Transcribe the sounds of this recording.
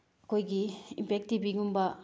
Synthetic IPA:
ɐkʰojɡiimpʰek̚tibiɡumbɐ

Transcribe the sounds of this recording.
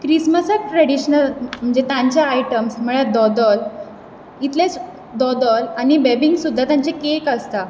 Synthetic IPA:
kɾisməsək̚ʈɾəɽiɕnəlm̤əɳd͡zet̪jãɲt͡ɕjaajʈəmsməɭed̪ɔd̪ɔl | it̪les | d̪ɔd̪ɔlañibɛbiŋɡsud̪ʱːat̪jãɲt͡ɕekekəst̪a

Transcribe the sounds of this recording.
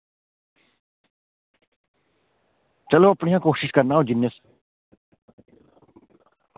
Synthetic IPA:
t͡ʃəloːəpɳɪjãːkoːʃɪʃkəɾnaːɦoːd͡ʒɪnəs

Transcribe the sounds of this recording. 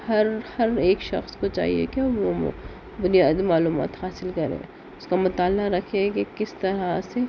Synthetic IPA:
hɐɾhɐɾeːkʃɐ̰xskot͡ʃa̰ːɦḭḛkaʋo̰ | bʊnijaːd̪imaːluːma̰ːt̪haːsɪlkɐɾḛ̃ː | ʊskamʊt̪aːlːaɾɐkʰẽkekɪst̪ɐɾase

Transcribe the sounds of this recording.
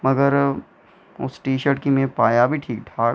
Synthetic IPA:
mɐɡəɾ | ʊ̰sʈiːʃəɾʈkimẽpaːjabʱiʈʰiːk̚ɖʰʱaːɽ

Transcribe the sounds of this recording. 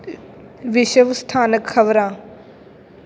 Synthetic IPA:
ʋɪʃəʋst̪ʰaːnəkxɐʋɾãː

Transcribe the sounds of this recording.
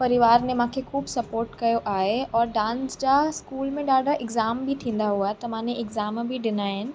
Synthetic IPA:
pɐɾɪʋaːɾnẽmãːkʰexuːbsɐpoːɾʈkɐjoʔaːɦeɔːɾɖãːnsd͡ʑaskuːlmẽɗaːɖʱaʔɪɡzaːmbʱit̪ʰĩːn̆d̪aɦuaɦɛt̪ɐmãːneʔɪɡzaːmbʱiɖɪnaːɦɪnɪ̆

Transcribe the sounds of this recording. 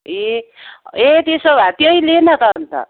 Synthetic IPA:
e | et̪esobʱat̪jʌjlenʌt̪ʌnt̪ʌ̰

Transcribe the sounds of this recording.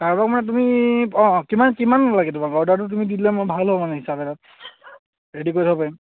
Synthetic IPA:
kaɹbakmanɛt̬umiɔ̃kimankimanalaɡɛtumaɡɔɹdaɹt̬ʊt̬umiditlamojbʱalɦɔmanɛɦisabɛtat̚ | ɹedikoɹitʰapaim

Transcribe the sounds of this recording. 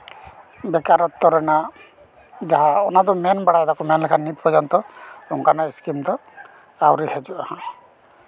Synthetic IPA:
bɛkaɾɔt̪ːɔɾɔna | d͡ʒaɦaɔnad̪ɔmɛnbaɽajd̪akumɛnlɛkʰanit̪pɔd͡ʒɔnt̪ɔɾuŋkanaiskimt̪ɔ | awɾihed͡ʒuʔahã

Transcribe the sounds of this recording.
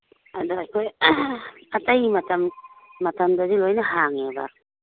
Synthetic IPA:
adoajkʰoj | ɐtajmɐtɐmːɐtʰɐmdɐzilojnɐhaŋeba̰ɾ

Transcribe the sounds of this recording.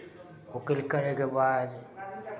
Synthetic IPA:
ʊkɪlkəɾekebaːd̪

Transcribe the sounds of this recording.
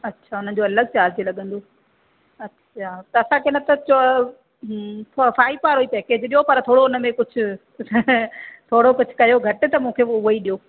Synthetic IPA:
ɐtːɕʰaʊnən̆d͡ʑoːɐləɡt͡ɕaːɾd͡ʑilɐɠə̃nd̪oː | ɐtːɕʰat̪ɐɐsãkenɐt̪ɐt͡ɕo | fʰfaːipaːɾɦuipɛːkeːd͡ʑɗijopɐɾt̪ʰoːɽoʊnə̆mẽkʊd͡ʑʱʊ̆ | t̪ʰoːɽokʊd͡ʑʱʊ̥̆kɐjoɡʱɐʈɪ̆t̪ɐmũːkʰeʊiɗijoː

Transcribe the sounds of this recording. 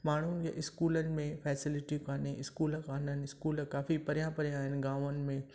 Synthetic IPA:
maːɳ̤ũnja̰ʔɪskuːlənɪ̆mẽfɛːsɪlɪʈikaːnẽʔɪskuːlkaːnənɪɪskuːlkaːfipɐɾjãpɐɾjãaːɦɪnɪɡaːʋənɪ̆mẽ

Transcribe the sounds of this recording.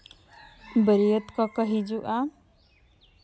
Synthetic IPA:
bəɾijət̪kɔkʌɦid͡ʒuʔa

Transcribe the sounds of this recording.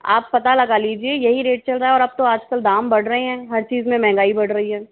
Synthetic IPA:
a̰ːppɐt̪alɐɡaliːd͡ʒiejɐɦiɾeːʈ̚t͡ʃɐlɾaɦɛɔːɾɐb̚t̪oaːd͡ʒkəld̪aːmbɐɽ̤ɾɐɦeɦɛ̃ːɦɐɾt͡ʃiːzmẽmɛ̃ɦŋɡaːibɐɽɾɐɦiɦɛː

